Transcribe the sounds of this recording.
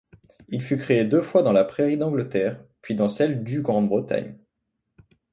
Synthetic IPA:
ilfykχeed̪øfwad̪ɑ̃lapχeʁid̪ɑ̃ɡlət̪ɛːʁpɥid̪ɑ̃sɛld̪yɡʁɑ̃d̪bʁət̪a̰ɲ

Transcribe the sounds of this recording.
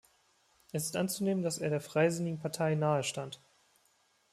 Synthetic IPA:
ʔɛsɪ̥stʔant͡suneːməndaseːɐɾeːɐfʁ̥aɪzɪnɪɡŋ̩pʰaɐtʰaɪnaːəʃtant

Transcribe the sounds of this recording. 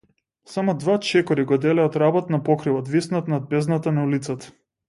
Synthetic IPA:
samɔd̪vat͡ʃɛkɔɾiɡɔd̪ɛlɛat̪ɾabɔt̪napɔkɾivɔt̪visnat̪nad̪̚bɛznat̪anaulit̪sat̪ḁ

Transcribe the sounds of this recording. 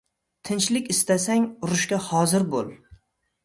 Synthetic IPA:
t̪ʰɪnt͡ʃlɪkʲɪst̪asaŋʊɾʊʃkʲahɒzɪɾbolˠ

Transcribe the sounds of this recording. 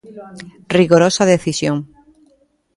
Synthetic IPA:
riɣoɾosaðeθisjõŋ

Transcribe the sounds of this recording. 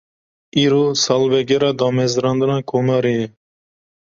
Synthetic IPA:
iːɾoːsɑːlvɛɡɛɾɑːd̪ɑːmɛzɨɾɑːnd̪ɨnɑːkʰomɑːɾiɛ

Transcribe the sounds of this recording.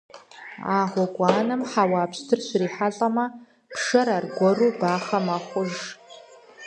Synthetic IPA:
aːʁʷɔɡʷʼaːnɐmħawaːpʰstʰɨrɕriːħaɬʼɐmɐ | pʰʂɐɾarɡʷɔruːbaːχɐmaχʷʊʒ

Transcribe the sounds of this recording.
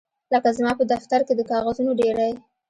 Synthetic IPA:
ləkazmɑpəd̪aft̪aɾked̪əkɑɣazunoɖeɾaj

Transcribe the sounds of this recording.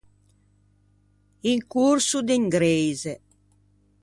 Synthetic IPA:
iŋkuɾsud̪iŋɡɾejze

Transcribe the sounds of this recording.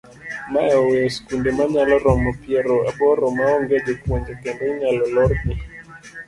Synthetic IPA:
maɛwɛskundemaɲalɔɾɔmɔpiɛɾɔabɔɾɔmaɔŋɡɛd͡ʒekwɔɲd͡ʒɛkɛndɔɲalɔlɔɾni

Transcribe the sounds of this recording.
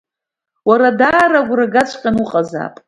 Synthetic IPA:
waɾadaːraɡʷraɡat͡ʃʷʰʼqʲʼanuqʼaza̰ːpʼ

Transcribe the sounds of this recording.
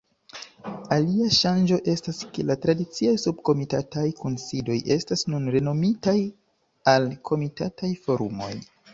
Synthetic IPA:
aliaʃand͡ʒo̞ʔe̞staskelatɾadit͡siajsub̚ko̞mitatajkʰunsido̞jʔe̞stasnunɾe̞no̞mitaj | alkʰo̞mitatʰajfo̞ɾṵmo̞̰j

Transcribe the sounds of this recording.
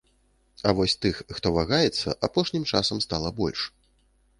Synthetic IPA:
ɐvɔsʲt̪ɨxːt̪ɔvaɣajɛt̪sːɐ̰ʔapɔʂnʲimt͡ʂasɐmst̪alˠɐbɔlʲʂ

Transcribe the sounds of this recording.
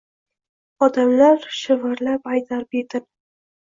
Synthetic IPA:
ɒd̪amlaɾʃɪvaɾlapajt̪ʰaɾɪped̪ɪ

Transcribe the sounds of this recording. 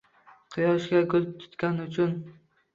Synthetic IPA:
qʰɨjɒʃkʲakʲʰɵzɪp̚t̪ʰʊ̥t̪kʲanʊt͡ʃʰʊn

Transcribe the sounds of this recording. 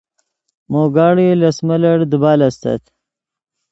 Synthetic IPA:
moːɡaːɽilɐsmɐlɐɽd̪ubaːlɐst̪ɐ̰t̪

